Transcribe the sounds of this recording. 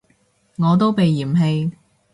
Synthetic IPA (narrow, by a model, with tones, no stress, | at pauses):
ŋɔː˨˧t̪̬o˥wpe˨jːiː˨˩mɦe˧j